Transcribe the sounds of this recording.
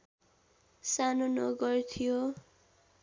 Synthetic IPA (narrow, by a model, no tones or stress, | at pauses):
sanonʌɡʌrt̪ʰijo